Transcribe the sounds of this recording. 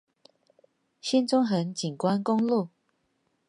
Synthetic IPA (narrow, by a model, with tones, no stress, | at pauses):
ɕi˥˦nt͡sʊ˦ŋɦə˨˦nt͡ɕi˨˩nkwa˦nkʊ˦ŋlu˥˨